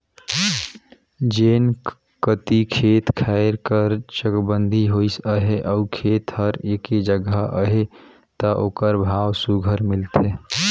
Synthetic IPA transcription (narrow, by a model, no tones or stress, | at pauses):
d͡ʒen | kət̪ikʰet̪kʰaɾkəɾt͡ʃəkbənd̪ʱiɦoisəɦeʔaukʰet̪həɾeked͡ʒəɡəʔə̰ɦe | t̪əʔoːkəɾbʱawsuɡʱəɾmilt̪ʰe